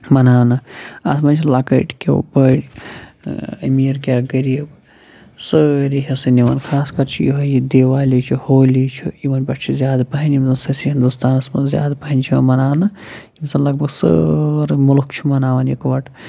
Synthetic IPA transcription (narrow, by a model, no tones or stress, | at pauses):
mɐnaːnɐɐsmɐnt͡ʃʰilakɐ̰ʈʰkḛpəɽʲ | ɐmiɾkʲaɡɐɾiib | səɾiɦɐsɐniʋɐnkʰaːskɐɾt͡ʃʰijiɦojid̪eːʋaːlit͡ʃʰihoːlit͡ʃʰiiʋɐnbɐʈt͡ʃʰizjaːd̪pɐɦinimsɐnsɐsiɦind̪ust̪aːnɐsmɐzja̰ːd̪pɐɦinʲt͡ʃʰḭmɐnaːnɐ | imsɐnlɐɡ̚bɐɡsə̰ɾmulkt͡ʃʰimɐnaːʋɐnikʋɐʈʰ